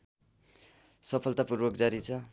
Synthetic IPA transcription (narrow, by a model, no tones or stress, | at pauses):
sʌpʰʌlt̪apurbʌk̚d͡zaɾit͡sʰʌ